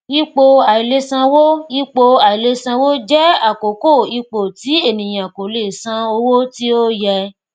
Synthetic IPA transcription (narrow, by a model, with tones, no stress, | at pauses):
i˦k͡po˧a˨i˨le˧˦sã˧wo˦i˦k͡po˧a˨i˨le˧˦sã˧wo˦d͡ʒɛ˦a˦˨ko˨ko˦˨i˧k͡po˨ti˨˦e˦˨nĩ˨j̃ã˨ko˨le˨sã˧o˧wo˦ti˦o˦jɛ˧